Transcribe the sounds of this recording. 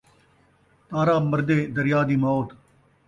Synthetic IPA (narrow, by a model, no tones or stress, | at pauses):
t̪aːɾaːməɾd̪eːd̪əɾɪjaːd̪iːmɔːt̪